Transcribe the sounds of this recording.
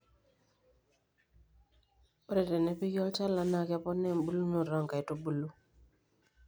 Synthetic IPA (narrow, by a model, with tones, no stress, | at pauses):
ɔ˦ɾɛ˨te˨ne˨˦pi˦ɡɔ˦lt͡ʃa˦la˨na˨kɛ˦pɔ˦nɛ˦˨mbu˦lu˦no˨ɾɔ˦˨ŋka˨jto˦bu˦lu˦